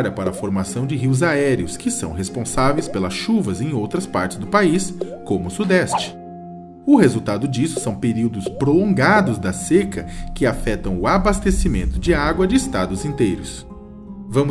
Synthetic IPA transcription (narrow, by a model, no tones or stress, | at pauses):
ɾɐpaɾɐːfoɾmasɐ̃w̃d͡ʒɪɦiwzaɛɾiʊskɪsɐ̰̃w̃ɦespõsavejspelɐsʃuvɐzẽj̃owt̪ɾɐspaɾt͡ʃɪzd̪ʊpais | kõmʊsud̪ɛst͡ʃɪ̥ | ʊhezuwt̪ad̪ʊd͡ʒisʊ̥sɐ̃w̃peɾiwd̪ʊspɾolõɡad̪ʊzd̪ɐsekɐkɪafɛt̪ɐ̃w̃ʊabast̪esimẽnt̪ʊd͡ʒɪaɡwɐd͡ʒɪːst̪ad̪ʊzĩnt̪ejɾʊs | vɐ̃mʊ